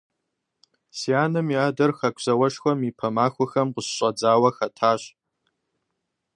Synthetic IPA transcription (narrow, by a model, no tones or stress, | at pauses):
sijaːnɨmiaːdɐrxɐkʷʰzɐwɐʃxʷɐmipʰɐmaːxʷʊxɐmqʊɕɕʼɐd͡zaːwɐxɐtʰaːɕ